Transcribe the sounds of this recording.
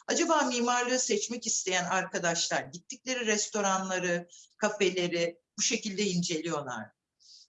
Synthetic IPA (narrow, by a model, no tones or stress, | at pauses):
ad͡ʒabaːmiːmaɾlˠaɯsɛt͡ʃmɛcist̪ʰe̞jænaɾkʰad̪aʃlˠaɾɟit̪ʰːic̚lʲe̞ɾiɾɛst̪ʰo̞ɾanlˠaɾɯkʰafe̞lʲe̞ɾɪ | buʃe̞cilʲd̪ɛind͡ʒe̞lʲijo̞lˠa̰ɾ̥